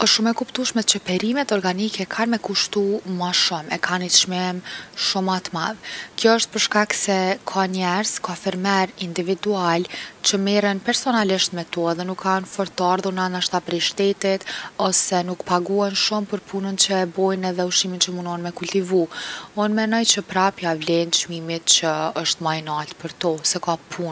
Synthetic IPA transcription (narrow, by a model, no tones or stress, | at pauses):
ɔʃumɛkupt̪uʃmɛt͡ɕəpɛɾimɛt̪ɔɾɡanikɛkʰanmɛkuʃt̪umaʃɔmɛ̰kʰanit̪ʃmɛmʃumat̪ma̰ðkjɔəʃt̪̚pəɾʃkaksɛkʰanɛɾz̥kɔfiɾmɛɾind̪ivid̪ualt͡ɕəmɛrɛnpɛɾsɔnaliʃt̪mɛt̪ɔɛðɛnukʰːanfɔɾt̪aɾðuɾnanaʃt̪apɾɛjʃt̪ɛt̪it̪ɔsɛnukpaɡuɛnʃumpəɾpʰunənt͡ɕəɛbɔjnɛðɛuʃimint͡ɕəmunɔnmɛkult̪ivuunmɛnɔjt͡ɕəpɾapjavlɛnt͡ʃmimit̪t͡ɕəəʃt̪majnalt̪pəɾt̪ɔsɛkapʰun